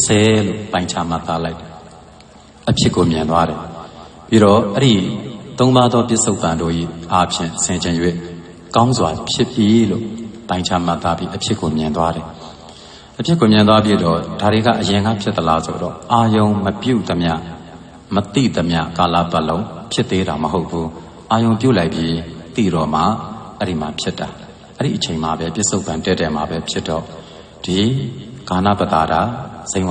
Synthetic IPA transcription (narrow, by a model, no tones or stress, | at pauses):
sʰɛlo̰pãɪ̃ɲt͡ɕʰa̰m̥at̪ːalaɪ | ʔəpʰjɪʔkːomjɪ̃nt̪waɾɛ | piɾɔʔɛɾit̪õʊ̃nad̪ðɔpjɪʔsoʊpːãndo̰ʔḭʔapʰjɪ̰̃sʰɪ̃ɲd͡ʑɪ̃jwḛ | kãʊ̃nzwapʰjɪʔp̪ːjilo̰pãɪ̃ɲt͡ɕʰa̰m̥at̪ːabjiʔəpʰjɪʔkːomjɪ̃nt̪waɾɛ | ʔəpʰjɪkːomjɪ̃nt̪wap̬jid̪ɔd̥aɾeɡa̰ʔəjɪ̃ŋɡa̰pʰjɪt̪ːəlaso̰dɔ̰ʔajõʊ̃məpjṵd̪əmja̰ | mət̪ḭd̪əmja̰kala̰baʔlõʊ̃pʰjɪt̪ːeɾaməɦoʊpʰːu | ʔajõʊ̃p̬jṵlaɪ̃pjit̪ḭɾɔm̥a̰ʔɛɾimapʰjɪtːa | ʔɛɾḭʔət͡ɕʰẽɪ̃mabɛpjɪʔsoʊpãntɛtːɛma̰bɛpʰjɪtːɔ̰ | d̥iɡ̥ana̰bət̪a̰daz̥ẽɪ̃